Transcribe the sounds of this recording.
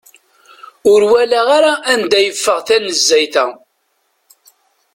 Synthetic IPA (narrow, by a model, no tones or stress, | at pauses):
ʊɾwælæʁaɾaʔænd̪æjəfːəʁθænəzːæjθæ